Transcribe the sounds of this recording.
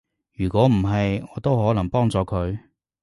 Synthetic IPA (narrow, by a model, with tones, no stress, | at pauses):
jyː˨˩kʷɔː˨˥m̩˨˩ɦɐ˨jŋɔː˨˧t̪o˥wɦɔː˨˥lɐ˨˩ŋpɔː˥ŋt͡sɔː˧kʰɵ˨˧ɥ